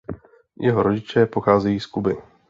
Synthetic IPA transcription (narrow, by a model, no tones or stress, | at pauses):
jʔɛɦoɾoɟɪt͡ʃɛpoxaːzɛjiːskubɪ